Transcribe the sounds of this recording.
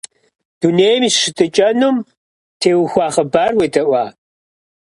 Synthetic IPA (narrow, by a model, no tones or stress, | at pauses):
d̥uneːjmiɕɪtʰɨt͡ʃʼɐnum | tʰeːwxʷaːχəbaːrweːdɐʔʷaː